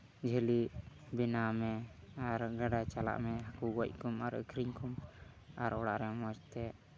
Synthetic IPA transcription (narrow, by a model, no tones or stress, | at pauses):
d͡ʒʱəliʔ | binamɛaɾɡaɖat͡ʃala̰ʔmɛɦakuɡɔc̚kumaɾə̰kʰɾiɲkum | aɾɔɽaʔɾɛmɔd͡ʒt̪ɛ